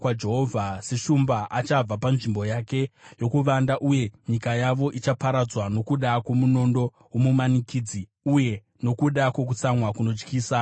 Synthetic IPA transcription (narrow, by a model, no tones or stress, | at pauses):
kwad͡ʒe̞ɦovʱase̞ʃumbaʔat͡ʃab͡vapanʐimbo̞jake̞jo̞kuʋandaʔuje̞ɲikajaʋo̞ʔit͡ʃapaɾad͡zwano̞kuɗakwo̞muno̞ndo̞ | womumanikiːd͡zi | uje̞ | no̞kuɗakwo̞k̬ut͡samwakuno̞d͡ʒkiːsa